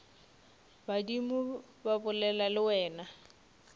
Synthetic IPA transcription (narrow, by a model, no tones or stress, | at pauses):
badimʊ | babʊlɛlalɪwɛːna